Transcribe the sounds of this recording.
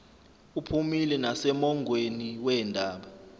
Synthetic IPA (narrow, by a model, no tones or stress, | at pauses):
upʰumilɛnasɛmɔŋʱweniwɛːndʱaːɓa